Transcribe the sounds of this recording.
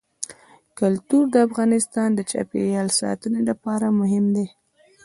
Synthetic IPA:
kʊlt̪uɾd̪əafɣɑnɪst̪ɑnd̪ət͡ʃa̰pḛjɑlsɑ̰t̪ənelapɑɾamʊɦɪmd̪e

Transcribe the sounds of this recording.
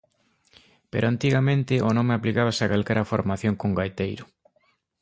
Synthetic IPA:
pḛɾʔʊant̪iɣamẽnt̪ɪonõmeaplikaβ̞asakalkɛɾʔafo̰ɾmaθjoŋkoŋɡajt̪ejɾʊ

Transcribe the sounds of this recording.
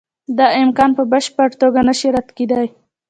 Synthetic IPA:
d̪ɑɪmkɑnpəbəʃpəɽt̪oɡanaʃiɾad̪ked̪aj

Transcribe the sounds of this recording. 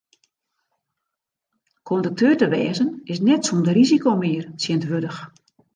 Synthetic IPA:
kʰɔndək̚tʰøːrtəʋɛːzənɪsnɛtsuːndərizikomɪərsjɪntʋødəx

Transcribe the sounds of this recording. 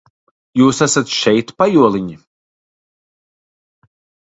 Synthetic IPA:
juːsæsat̪ʃɛjt̪pajuɔlˠiɲi

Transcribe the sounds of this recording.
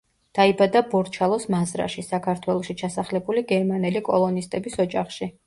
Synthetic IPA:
d̪̥aibad̪abɔɾt͡ʃʰalˠɔsmazɾa̰ʃisakʰaɾt̪ʰwɛlˠɔʃit͡ʃʰasaχlɛbuliɡɛɾmanɛlikʼɔ̰lˠɔnist̪ʼɛbisɔd͡ʒaχʃi

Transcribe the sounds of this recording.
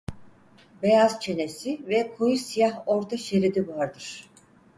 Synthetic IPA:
bejazt͡ʃʰe̞nesivɛkʰojusijaɦo̞ɾt̪ʰaʃeɾid̪ivaɾd̪ɯɾ̥

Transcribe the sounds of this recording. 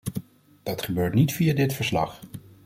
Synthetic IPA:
d̥ɑtχəbøːɹtnitfijadɪtfəɹslɑ̰χ

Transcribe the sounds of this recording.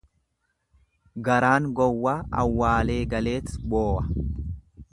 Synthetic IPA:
ɡɐɾaːŋɡɔwːaːʔɐ̰wːaːle̞ːɡɐle̞ːt̪boːʔɐ

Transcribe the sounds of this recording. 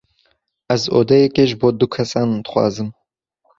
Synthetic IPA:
ɛzo̰ːd̪ɛjɛkeːʒɨboːd̪ukʰɛsɑːnd̪ɨ̥xʷɑ̰ːzɨm

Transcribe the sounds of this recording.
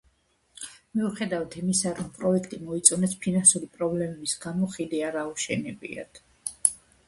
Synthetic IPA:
miuχɛd̪avat̪ʰimisaɾɔmpʼɾɔɛkʰt̪ʼimɔit̪sʼɔnɛspʰinansuɾipʼɾɔblɛmɛbisɡamɔχid̪iaɾauʃɛnɛbḭa̰d̪̥ʰ

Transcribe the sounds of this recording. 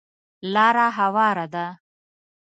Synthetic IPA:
lɑːɾaɦawɑːɾad̪a

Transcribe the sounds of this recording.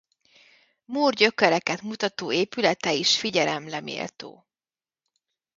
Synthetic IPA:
muːrɟø̞kɛɾɛkɛt̪mut̪ɒt̪oːeːpylɛt̪ɛiʃfiɟɛlɛmlɛmḛːlt̪o̰ː

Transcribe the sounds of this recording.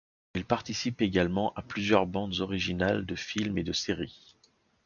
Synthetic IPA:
ilpaʁt̪isipeɡalmɑ̃ʔaplyzjœʁbɑ̃d̪zɔʁiʒinald̪əfilmed̪əseʁi

